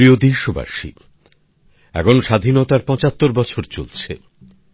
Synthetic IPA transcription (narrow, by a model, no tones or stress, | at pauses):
iod̪iʃoba̰ʃḭ | ɛ̰kʰonʃad̪ʱinot̪aɾpɔ̃t͡ɕat̪ːoɾbɔt͡ɕʰoɾt͡ɕo̰lt͡ɕʰḛ